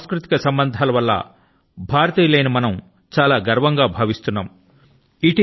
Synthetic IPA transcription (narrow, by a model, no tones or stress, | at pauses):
skɾut̪i̥kɐsɐmbɐnd̪ʱaːlɐʋɐlːɐ̰ | bʱaːɾɐt̪iːlɐjnɐmɐnɐm | t͡ʃaːlaːɡɐɾɐʋɐŋɡaːbʱaːʋist̪unːaːm | iʈi